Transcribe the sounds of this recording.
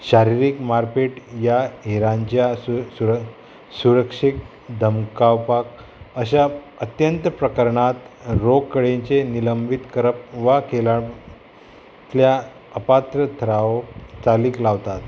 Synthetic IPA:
ɕaɾiɾikmaɾfeʈjaeɾãɲt͡ɕjauɾ | suɾəkʂik̚ | d̪ʱəmkawpak̚ | əɕ̬a | ət̪jənt̪əpɾəkəɾɳat̪ɾoɡ̚kəɽẽɲt͡ɕeniləmbit̪kəɾəpʋakela | lja | əpat̪ɾət̪ʰəɾaʋt͡saliːklaʋt̪at̪

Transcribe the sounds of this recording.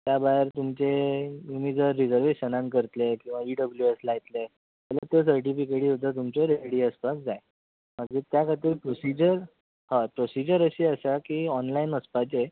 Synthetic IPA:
t̪jabaɦeɾt̪umt͡ɕemimid͡zəɾːid͡zəɾʋeɕənãŋkəɾt̪lekĩw̃ʋaiɖəbljueslajt̪le | t̪ɛlat̪os̬əɾʈifikeʈiːɦot̪ət̪umt͡ɕɔɾeɽiːəspasd͡zae | məɡd͡ʑet̪jakʰat̪iːɾpɾosid͡ʑəɾ | hãpɾosid͡ʑəɾəɕiːəsakiːɔnlainəspat͡se

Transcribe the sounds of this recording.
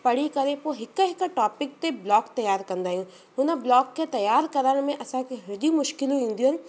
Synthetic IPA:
pɐɽ̤ikɐɾepoɦɪkəɦɪkʈɔːpɪk̚t̪eblɔːkt̪ɐjːaːɾkɐ̃nd̪aːɦijũː | ɦʊnəblɔːkːet̪ɐjaːɾkɐɾəɽ̃mẽʔɐsãkeɦɐɾd͡ʑimʊʃkɪlũɦĩːnd̪iũɦənɪ̆

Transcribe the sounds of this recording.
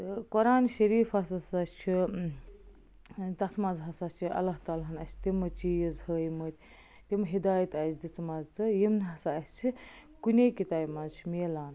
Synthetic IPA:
kɔɾaːnʃɐɾiːfɐsɐsast͡ʃʰi | t̪ɐt̪ʰmɐzɦɐsɐt͡ʃʰiɐ̰lːaɦt̪aːlɦɐnɐsʰt̪imɐt͡ʃijizhəːjmət̪ʲ | t̪imɦid̪aːjɐt̪ɐsd̪it͡smɐzt͡sɨjimnɦɐsaɐsʲt͡sʰi | kunʲekit̪aːjmɐzt͡ʃʰimeːlaːn

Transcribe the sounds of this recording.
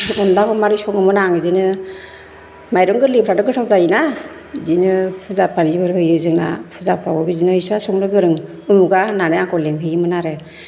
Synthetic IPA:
ɔnlakʰɔmaɾisɔŋɯmɯnaŋidinɯ | majɾɯŋɡɯɾlipʰɾadɯɡɯtʰawzajina | dinɯpʰɯzapʰanibɯɾhɯjɯzɯŋna̰pʰɯzapʰɾabɔbidinɯisasɔŋnɯɡɯɾɯŋ | ɯmuɡananɯjaŋkʰɔleŋkʰɯjimɯnaɾe

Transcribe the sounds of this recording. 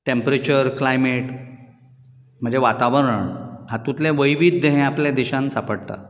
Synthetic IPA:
ʈempɾet͡ɕəɾklajmeʈ | m̤əɳd͡zeʋat̪aʋəɾəɳɦãt̪ũt̪lẽʋəjʋid̪ːəɦẽapljad̪eɕãnsapəɽt̪a̰

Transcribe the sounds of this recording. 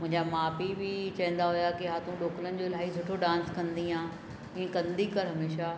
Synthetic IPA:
mʊ̃ɦɪ̃ɲd͡ʑamaːpibʱɪt͡ɕɐɦə̃n̆d̪aɦʊjakiɦaːt̪ũɗoːklənɪ̆d͡ʑolaːɦisʊʈʰoɖãːnskɐ̃nd̪iɦãː | ĩːẽkɐ̃nd̪ikɐɾɦɐmeːʃa

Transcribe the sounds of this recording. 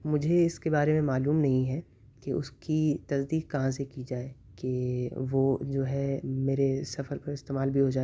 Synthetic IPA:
mʊd͡ʒʱeɪskebaːɾemẽmaːluːmnɐɦĩɦɛ | keʔʊ̰skit̪ɐsd̪iːkkɐɦãsekid͡ʒaːe | keʋod͡ʒoːɦɛmeːɾesɐfəɾpɐɾɪst̪eːmaːlbʱiɦod͡ʒaːe

